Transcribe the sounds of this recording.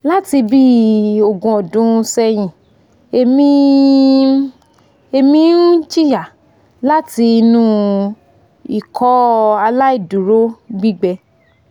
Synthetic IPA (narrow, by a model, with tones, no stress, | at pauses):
la˦ti˧bi˦o˨ɡũ˧˨ɔ˨dũ˨˦˧sɛ˧j̃ĩ˨ | e˧mĩ˦ | e˧mĩ˨˦n̩˦t͡ʃi˦˨ja˨ | la˦ti˧nũ˦ | i˨kʰɔ˨˦a˧la˦i˦˨du˨ɾo˦ɡ͡bi˦ɡ͡bɛ˧